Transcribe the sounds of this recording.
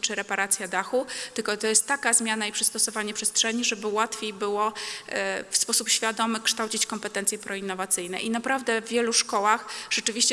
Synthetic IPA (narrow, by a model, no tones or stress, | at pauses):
t͡ʂɘɾɛpaɾat̪sʲjad̪axut̪ɘlkɔt̪ɔjɛst̪ːakazmʲjanaipʂɨst̪ɔsɔvaɲɛpʂɛstʂɛɲiʐɛbɘwat̪fʲejbɘwɔ | fspɔsupɕfʲjad̪ɔmɘkʂt̪awt͡ɕit͡ɕkɔmpɛt̪ɛnt̪sjɛpɾɔinːɔvat̪sɘjnɛ̰ʔinapɾavd̪ɛvːʲjɛluʂkɔwaxʐ̥ɛt͡ʂɘvʲiɕt͡ɕɛ